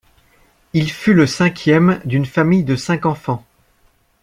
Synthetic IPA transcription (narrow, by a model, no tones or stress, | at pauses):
ilfyləsɛ̃kʲjɛmd̪ynfamijd̪əsɛ̃kɑ̃fɑ̃